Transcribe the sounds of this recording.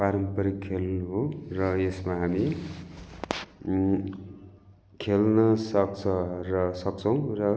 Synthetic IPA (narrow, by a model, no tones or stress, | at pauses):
paɾʌmpʌɾikʰelnuɦorʌesmaɦami | kʰelnʌsʌk̚t͡sʰʌrʌsʌk̚t͡sʰʌw̃rʌ